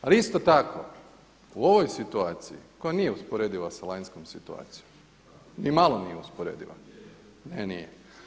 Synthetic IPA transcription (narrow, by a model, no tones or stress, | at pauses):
aliist̪ot̪akʰo̰ | uo̞ʋojsit̪uaːt̪sijḭko̞janijeuspoɾeːd̪iʋasalajnskomsit̪ua̰ːt̪sijom | nimalˠonijeuspoɾḛːd̪ḭʋa̰ | nenije